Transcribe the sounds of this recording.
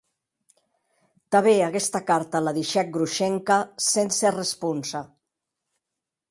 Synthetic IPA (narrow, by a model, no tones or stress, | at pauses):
t̪aβeakɛst̪akaɾt̪alaðiʃɛk̚ɡɾuʃɛŋkasenserespunsa